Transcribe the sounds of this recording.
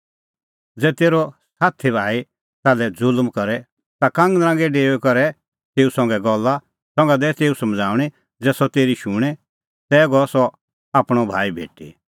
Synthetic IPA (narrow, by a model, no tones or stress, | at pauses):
d͡zɛːt̪eːɾɔsaːt̪ʰibʱaːi | t̪aːlɛd͡zʊlmkɔɾɛ | t̪akãːŋɡd̪ɾãːŋɡɛɖeːʋɛkɔɾɛ | t̪eːusɔ̃ŋɡɛɡɔlːa | sɔ̃ŋɡad̪ɛt̪eːusɐmd͡zʱaːʊ̃i | d͡zɛːsɔt̪eːɾiʃũːɽ̃ɛ | t̪ɛːɡɔsɔ | aːpɽ̃ɔbʱaːibʱḛːʈḭ